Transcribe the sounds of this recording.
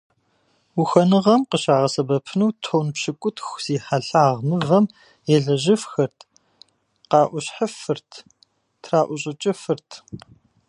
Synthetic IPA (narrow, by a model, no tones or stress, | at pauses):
wuxɐnɨʁɐmqəɕaːʁɐsɐbɐpʰɨnuːtʰownpɕɪkʷʼʊtxz̥iːħaɬaaːʁmɨvɐm | jɛɮɐʑɪfxɐrtʰ | qɑːʔʷʊɕħəfɨrtʰ | tʰraːʔʷʊɕʼɪt͡ʃʼɪfɨrtʰ